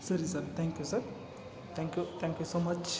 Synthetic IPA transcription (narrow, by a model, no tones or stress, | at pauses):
sɐɾisɐɾt̪ʰɛ̃ŋkjusɐɾ | t̪ʰɛ̃ŋkjut̪ʰɛ̃ŋkjusoːmɐt͡ʃʰ